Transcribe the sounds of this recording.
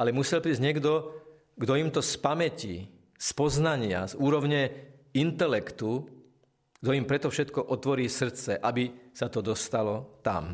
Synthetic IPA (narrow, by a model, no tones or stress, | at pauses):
alɛmusɛlpɾiːzɲɛɡd̪ɔ | ɡd̪ɔimt̪ɔspamɛciː | spɔznaɲɪa̰zuːɾɔʊɲɛ | int̪ɛlɛkt̪u | ɡ̥d̪ɔimpɾɛt̪ɔfʃɛt̪kɔʔɔt̪ʋɔɾiːsr̩t̪t͡sɛʔabisat̪ɔd̪ɔst̪alɔt̪a̰m